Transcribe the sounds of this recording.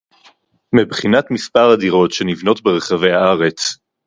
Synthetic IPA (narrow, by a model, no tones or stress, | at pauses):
mibχinatmispaʁadiʁo̞tʃe̞nivno̞tbeʁe̞χave̞jhaaʁe̞t͡s